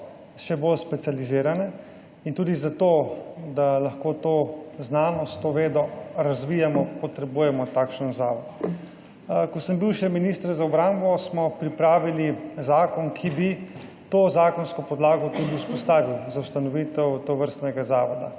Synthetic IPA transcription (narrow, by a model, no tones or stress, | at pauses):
ʃɛbolspɛt̪sializiːɾanɛ | int̪uːd̪izat̪oːd̪alaxkoːt̪oːznaːnɔst̪oʋeːd̪ɔɾazʋijamɔpɔt̪ɾɛbuːjɛmɔt̪aːkʃənzaːʋɔd̪ | kɔsəmbiwʃɛminist̪ɾɛzaɔbɾambɔsmɔpɾipɾaːʋilizaːkɔnkʰibi | t̪oːzaːkɔnskɔpɔd̪laːɡɔt̪ud̪iuspɔst̪aːʋiwzauwst̪anɔʋiːt̪ɛwt̪oʋəɾst̪nɛɡazaːʋɔd̪a̰